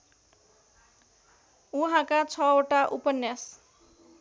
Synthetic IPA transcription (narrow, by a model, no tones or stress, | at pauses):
uɦãkat͡sʰʌoʈaʔupʌnjas